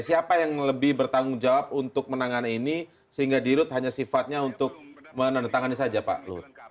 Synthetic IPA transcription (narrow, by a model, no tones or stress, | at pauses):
siapajaŋləbɪhbərt̪aŋʊŋd͡ʒawap̚unt̪ʊk̚mənaŋanaini | səɦiŋɡadiɾʊt̪̚haɲasifat̪̚ɲaunt̪ʊk̚mənanənt̪aŋanisad͡ʒapa̰ʔlʊ̰t̪̚